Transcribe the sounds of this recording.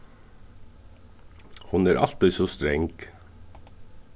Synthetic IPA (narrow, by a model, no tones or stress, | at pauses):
hʊnæːɾʔɑ̰lt̪ɪsoːst̪ɾɛŋɡ